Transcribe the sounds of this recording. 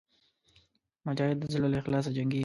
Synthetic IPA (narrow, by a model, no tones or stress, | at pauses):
mʊd͡ʒɑhɪd̪ːəzɪləloɪxlɑːs̬ad͡ʒaŋɡi